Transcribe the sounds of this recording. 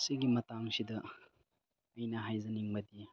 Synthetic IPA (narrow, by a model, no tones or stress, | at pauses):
siɡimɐtaŋsidɐ | ɐjnɐɦajzɐniŋbɐdi